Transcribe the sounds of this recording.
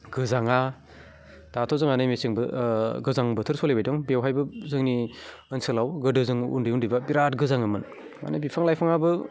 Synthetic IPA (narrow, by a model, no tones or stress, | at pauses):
ɡɯzaŋa | d̥atʰɔzɯŋanɯjmesiŋbɯɡɯzaŋbɯtʰɯɾsɔlebajdɔŋbewɦajbɯzɯŋni | ɯnsɯlawɡɯdɯzɯŋṵndɯjundɯbabiɾatɡɯzaŋɯmɯn | a̰najbipʰaŋlajpʰaŋabɯ